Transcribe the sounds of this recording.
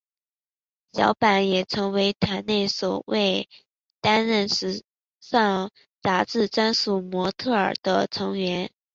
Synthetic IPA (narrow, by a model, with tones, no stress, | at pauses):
ɕjɑ̰˧˥ʊpa˨˥njɛ˨˩ʈ͡ʂʰɤ˧˥ŋwe˧˥ɪt̪ʰa˧˥nne˥˩ɪswɔ˨˩we˥˩ɪ | t̪a˥nɻə˥˩nʂɻ̩˧˥ | ʂɑ˥˩ŋ | t͡sa˧˥ʈ͡ʂɻ̩˥˩ʈ͡ʂa˥nsu˨˩mwɔ˧˥t̪ʰɤ˥˩ə˞˨˩d̪̥ə˦ʈ͡ʂʰɤ˧˥ŋɥɛ˧˥n